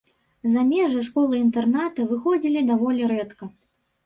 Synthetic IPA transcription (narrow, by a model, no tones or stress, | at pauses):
zamʲɛʐɨʂkɔlˠɨint̪ɛrnat̪ɐvɨxɔd͡zʲilʲid̪avɔlʲiɾɛt̪kɐ